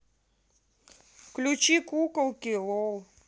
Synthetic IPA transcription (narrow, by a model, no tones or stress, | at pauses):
klʲut͡ʃikukɐwkʲilɔw